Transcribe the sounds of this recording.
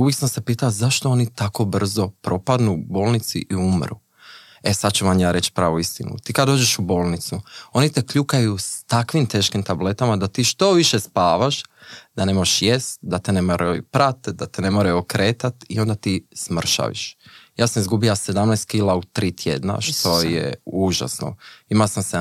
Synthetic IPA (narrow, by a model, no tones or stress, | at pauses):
uʋjiksamsepiːt̪alzaʃt̪oo̞nit̪ako̞br̩zo̞pɾo̞pad̪nubo̞ːlˠnit̪sḭʔiumɾṵ | esad̪t͡ʃuʋamjaːɾe̞t͡ʃpɾaːʋoist̪inṵt̪iːkad̪d̪oːd͡ʒe̞ʃubo̞ːlˠnit̪suo̞nit̪e̞kʎukajust̪akʋimt̪e̞ːʃkimt̪able̞t̪amad̪at̪iːʃt̪o̞ʋiʃespaːʋaʃd̪ane̞mojeʃjest̪d̪at̪enemoɾʔapɾat̪d̪at̪ene̞moɾaokɾe̞ːt̪at̪io̞nd̪at̪ismr̩ʃa̰ʋḭʃjaːsamizɡubilase̞d̪amnɛjst̪kilˠaut̪ɾiːt̪ʰjḛd̪na̰ʃt̪o̞jḛuʒa̰sno̰imalsamse